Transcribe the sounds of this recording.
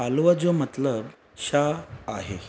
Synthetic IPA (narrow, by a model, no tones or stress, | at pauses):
alʋəd͡zomət̪ləb | ɕaaɦḛ